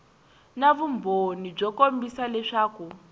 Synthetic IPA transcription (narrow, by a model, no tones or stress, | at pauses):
naβumbʱonib͡ʐɔkombisalɛʂaːku